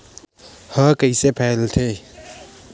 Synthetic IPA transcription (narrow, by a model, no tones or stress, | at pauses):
həkəisepʰɛːlt̪ʰe